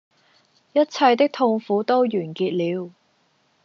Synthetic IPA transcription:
jɐ˥t̚t͡sʰɐ˧jt̪ɪ˥k̚t̪ʰʊ˧ŋfuː˨˥t̪o˥wjyː˨˩nkiː˧t̚liː˨˧w

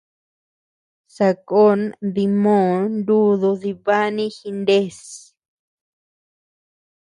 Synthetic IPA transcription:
sa˧ko˦nði˧mõ˦˨˧nd̪u˦ðo˧ði˧βa˦nĩ˦xi˧nd̪e˦s

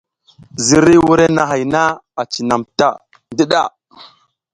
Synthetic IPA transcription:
zi˦ɾi˦wu˦ɾe˦na˨ɦa˨jna˦a˨t͡ʃi˨na˨mta˦ | di˦ɗa˦˨

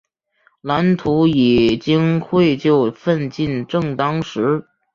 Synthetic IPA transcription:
la˧˥nt̪ʰu˧˥i˨˩t͡ɕi˥ŋxwe˥˧ɪt͡ɕjo˥˧ʊfə˥˧nt͡ɕi˥˧nʈ͡ʂɤ˥˩ŋt̪ɑ˥ŋʂɻ̩˧˥

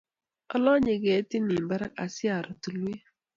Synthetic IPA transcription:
ɔ˦lɔ˦ɲe˨ɡe˨˦ti˦ni˨m˨ba˦ɾa̰˦a˨sɪ˦a˨ɾʊ˨tu˨lu˦e˦

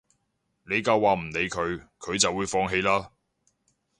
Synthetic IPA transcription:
ne˨˧jkɐ˧waː˨m̩˨˩ne˨˧jkʰɵ˨˧ɥkʰɵ˨˧ɥt͡sɐ˨wːuː˨˧˥jfɔː˧ŋɦe˧jlaː˥

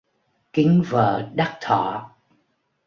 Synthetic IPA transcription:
kï˨˦ŋvə̰ː˧˨ɗa˦˥k̚t̪ʰɔ̰˧˩˨

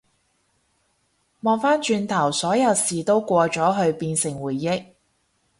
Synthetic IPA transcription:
mɔː˨˧ŋfaː˥nt͡ʃyː˧nt̪ʰɐ˨˩wsɔː˨˥jɐ˨˧wsiː˨t̪o˥wkʷɔː˧t͡ʃɔː˨˥ɦɵ˧ɥpiː˧nsɪ˨˩ŋwuː˨˩jːɪ˥k̚

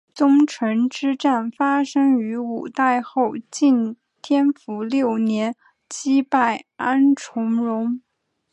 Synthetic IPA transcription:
t͡sʊ˥ŋʈ͡ʂʰɤ˧˥ŋʈ͡ʂɻ̩˥ʈ͡ʂa˥˩nfa˥ʂɤ˥ŋy˧˥u˨˩t̪a˥˧ɪxo˥˧ʊt͡ɕi˥˩n | t̪ʰjɛ˥nfu˧˥ljo˥˩ʊnjɛ˧˥n | t͡ɕi˥pa˥˩ɪa˥nʈ͡ʂʰʊ˧˥ŋɻʊ˧˥ŋ

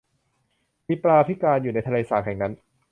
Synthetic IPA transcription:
miː˧pɾaː˧t̪ʰi˦˥kaː˧njuː˨˩na˥jt̪ʰa˧leː˧saː˨˩k̚hɛ˨˩ŋna˦˥n

